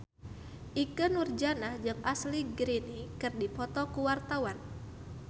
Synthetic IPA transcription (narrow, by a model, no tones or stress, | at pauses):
ʔikɨnurd͡ʒanahd͡ʒɨŋʔasliɡɾinikɨrdipɔt̪ɔkuwart̪awan